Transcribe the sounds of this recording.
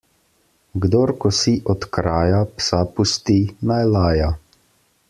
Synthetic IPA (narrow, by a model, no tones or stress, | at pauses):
ɡd̪oɾkɔsiʔɔt̪kɾaːjapsapust̪inajlaːja